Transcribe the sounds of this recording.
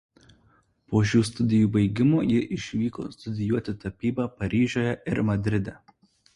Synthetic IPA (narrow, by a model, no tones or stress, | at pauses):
poːʃ̬ʲuːst̪ʊd̪ʲɪjuːbɐɪɡʲɪmoːjɪʔɪʃʲʋʲiːko̰ːst̪ʊd̪ʲɪjuɔt̪ʲɪt̪ɐpʲiːbɑpɐɾʲiːʒʲoːjɛʔɪɾmɐd̪ʲɾʲɪd̪ʲɛ